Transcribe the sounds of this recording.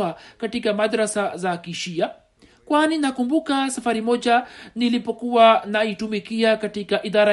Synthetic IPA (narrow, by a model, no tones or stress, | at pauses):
akatikamadɾasazakiʃia | kwaninakumbukasafaɾimɔʄanilipɔkuwanaitumikiakatikaʔiðaɾa